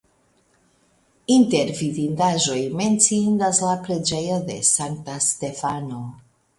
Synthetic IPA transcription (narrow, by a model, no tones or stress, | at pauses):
inte̞ɾvidindaʒo̞jme̞nt͡sindaslapɾe̞d͡ʒe̞jo̞de̞̰saŋk̚taste̞fano̞